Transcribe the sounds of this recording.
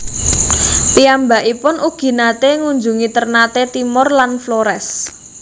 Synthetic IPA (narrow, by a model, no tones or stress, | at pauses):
piambaʔipʊnuɡ̥i̤nat̪eŋuɲd͡ʒuŋit̪ərnat̪et̪imʊrlanfloɾɛs